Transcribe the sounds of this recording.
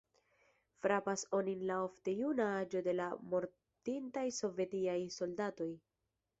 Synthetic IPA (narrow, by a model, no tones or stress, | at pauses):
fɾapaso̞ninlao̞fte̞junaad͡ʒo̞de̞lamo̞ɾ | tintajso̞ve̞tiajso̞ldato̞j